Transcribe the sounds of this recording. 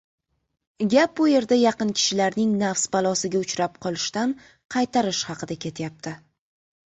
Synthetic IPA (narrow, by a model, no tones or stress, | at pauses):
ɡʲap̚bʊje̞ɾd̪ajɑqɨnkʲʰɪ̥ʃɪlaɾnɪŋnafsbalˠɒsɪɡʲaʊt͡ʃɾap̚qʰɒlˠɪʃt̪an | qʰɑjt̪ʰaɾɪʃhɑqʰɨd̪akʲʰe̞t̪ʰjap̚t̪ʰɪ